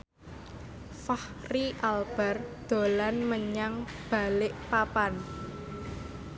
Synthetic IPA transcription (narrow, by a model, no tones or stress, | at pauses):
fahriʔalb̥ɛrd̪̥o̤lanməɲaŋb̥a̤lɪʔpapan